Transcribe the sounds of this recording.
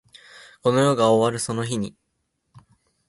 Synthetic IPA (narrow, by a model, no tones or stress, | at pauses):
ko̞no̞jo̞ːɡaoβaɾɯ̟so̞no̞çiɲ̟i